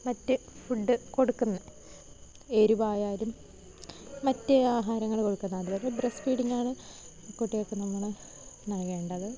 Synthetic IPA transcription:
mɐtːɨ | fuɖːɨko̞ɽukːunːɐ | eɾuʋaːjaːlumː | ɐtːeaːɦaːɾɐŋːɐɭko̞ɽukːunːɐɐðɨboɾebresfiːɽiŋːɡaːɳɨ | koʈːijokːe̞nɐmːuɭɨ | nɐɭke̞ːɳɖɐðɨ

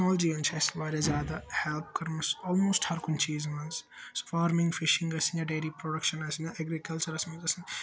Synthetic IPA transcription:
nɔːld͡ʒiɐ̃nt͡ʃʰɐsʋaːɾazjaːd̪ahɛlp̚kɐɾmusɔːlmoːsʈhɐɾkʊnt͡ʃiːzmɐnsː | o̥faːɾmɪ̃ŋɡfɪʃɪ̃ŋɡɐsɨnjaɖeːlipɾoɖɐkʃɐnɐsɨnjaʔɛɡɾikɐlt͡ʃɐɾɐsmɐ̃zɐsɨn

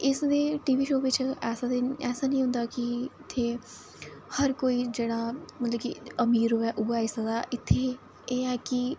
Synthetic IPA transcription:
ɪsd̪eːʈiːʋiːʃoːʋɪt͡ʃɛːsaːd̪eɛːsaːnĩːʊ̃nd̪aːkɪɪt̪ʰːeː | həɾkoːiːd͡ʒeːɽ̃aːmət̪ləbkiəmiːɾɦoːɛːʔʊːaːeɪsaːd̪aːʔɪt̪ʰːeː | eːɛːkɪ

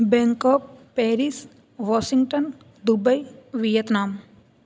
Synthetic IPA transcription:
bɛ̃ŋkɔːp̚ː | ɛːɾis | ʋɔːʃiŋɡʈən | d̪ubəjʋijət̪naːm

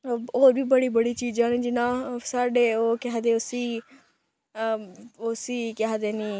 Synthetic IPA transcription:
oːɾbʱiːbəɽiːbəɽiːt͡ʃiːd͡ʒaːɽ̃ĩːd͡ʒɪnãːsaːɖeːoːkɦd̪eːʊsiː | osiːkaɦd̪eːnĩː

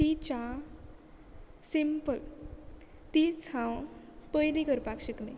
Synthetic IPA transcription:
t̪it͡ɕa | simpəl | t̪it͡sʰãw | pəjlikəɾpakɕəkne

